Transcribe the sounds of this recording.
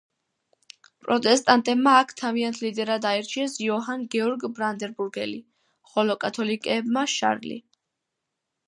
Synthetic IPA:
pʼɾɔt̪ʼɛst̪ʼant̪ʼɛbmaːkʰt̪ʰaviant̪ʰlid̪ɛɾad̪aɛɾt͡ʃʰiɛsiɔɦanɡɛɔɾɡbɾand̪ɛɾbuɾɡɛli | χɔlɔkʼat̪ʰɔlikʼɛbmaʃa̰ɾlḭ

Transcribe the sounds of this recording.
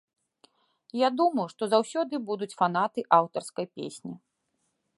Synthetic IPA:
jad̪umɐjuʂt̪ɔzawsʲɔd̪ɨbud̪ut͡sʲfan̪at̪ɨʔawt̪ɐrskɐjpʲḛsʲnʲi

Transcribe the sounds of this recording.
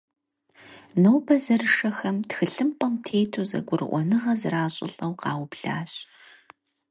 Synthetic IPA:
nowbɐzɐrɨʂɐxɐmtxɨɬɨmpʼɐmtʰeːjtʰuːzɐ̰ɡʷʊrɨ̰ʔʷɔnɨʁɐzɨraːɕʼɪ̰ɬʼɐwqɑːwbɮaːɕʼ

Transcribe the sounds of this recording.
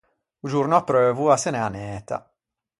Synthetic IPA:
ud͡ʒurnoapːɾøːvuasenɛanɛːt̪a̰

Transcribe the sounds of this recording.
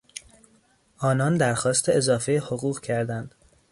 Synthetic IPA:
ʔɒːnɒːnd̪æɾxɒːst̪ʰeezɒːfejehoɣuːɣcʰæɾd̪ænd̪̥

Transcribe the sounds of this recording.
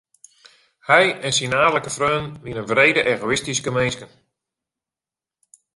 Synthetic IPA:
hɛjɛnsinaːləkəfrøːnʋinənvreːdəʔeːɣoɪstiskəmenskən

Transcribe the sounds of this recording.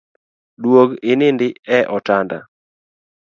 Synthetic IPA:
dwoɡɪnɪndɪɛʔɔtanda̰

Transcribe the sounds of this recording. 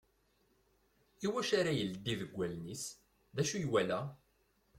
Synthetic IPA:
iwæʃaɾajəld̪ːiðəɡʷːælnis | ðæʃujwælæ

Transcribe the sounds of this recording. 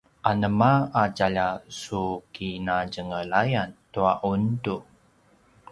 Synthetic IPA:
ʔanəmaad͡ʒaʎasukinad͡ʒəŋəlajant̪uaʔuntu

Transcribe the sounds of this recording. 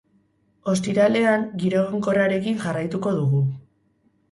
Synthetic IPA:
o̞st̪iɾale̞aŋɡiɾo̞ɣoŋko̞raɾe̞kiŋʝarajt̪uko̞ðuɣu

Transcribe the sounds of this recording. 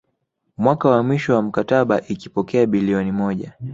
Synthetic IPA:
mwakawamwiʃɔwam̩kataɓaʔikipɔkɛaɓiliɔnimɔʄa

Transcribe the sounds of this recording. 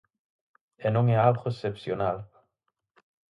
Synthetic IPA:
enoŋealʁoesepsjonal

